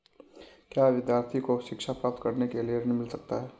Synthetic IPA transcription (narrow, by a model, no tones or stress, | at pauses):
kjaːʋɪd̪jaːɾt̪ʰikoʃɪkʃapɾaːp̚t̪kɐɾnekelieɾnimɪlsɐk̚t̪aɦɛː